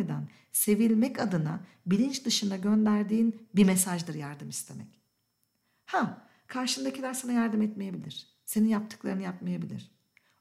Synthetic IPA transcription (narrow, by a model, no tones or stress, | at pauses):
ed̪an | se̞vilʲmɛcad̪ɯna | bilʲint͡ʃd̪ɯʃɯnaɟø̞nd̪æɾd̪iːnbimesaʒd̪ɯɾjaɾd̪ɯmist̪ʰe̞mɛ̰c | ha | kʰaɾʃɯnd̪acilʲæɾsanajaɾd̪ɯmɛt̪mejebilʲiɾ̥ | seninjap̚t̪ʰɯ̥klˠaɾɯnɯjapmajabilʲḭɾ̝̥